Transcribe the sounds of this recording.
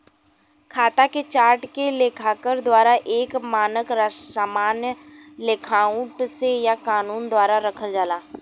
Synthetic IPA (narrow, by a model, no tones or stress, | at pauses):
kʰaːt̪aket͡ʃaːɾʈkelekʰakəɾd̪waːɾaʔeːkmaːnəkɾasaːmaːnjəlɪkʰaːʊ̃ʈsejakaːnuːnd̪waːɾaɾɐkʰəld͡ʒaːlaː